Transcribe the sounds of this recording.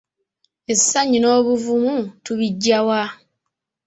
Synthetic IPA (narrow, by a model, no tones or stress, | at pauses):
e̞sːaɲːino̞ːβuvumutuβiɟːawa